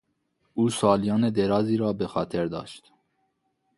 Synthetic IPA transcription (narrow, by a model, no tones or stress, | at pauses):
uːsɑːlijɒːned̪eɾɑːziːɾɒːbexɒːt̪ʰeɾd̪ɒ̰ːʃt̪